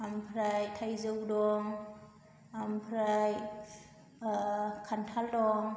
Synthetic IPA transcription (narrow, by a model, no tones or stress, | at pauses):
ampʰɾajtʰajzɯwdɔŋ | ampʰɾaj | kʰantʰaldɔŋ